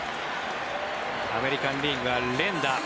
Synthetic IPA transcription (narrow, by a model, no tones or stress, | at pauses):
a̰meɾikanɖiɡalːend̪a